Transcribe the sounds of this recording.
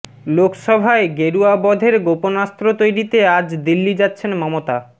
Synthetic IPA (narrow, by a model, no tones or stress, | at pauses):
lokʃɔbʱaeɡeɾuabɔd̪ʱeɾɡoponast̪ɾot̪ojɾit̪ead͡ʑd̪ilːid͡ʑatːɕʰenmɔmot̪a